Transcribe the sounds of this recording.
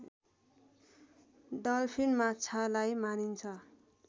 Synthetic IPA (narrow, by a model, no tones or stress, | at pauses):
dʌlpʰinmat͡sʰalajmanint͡sʰʌ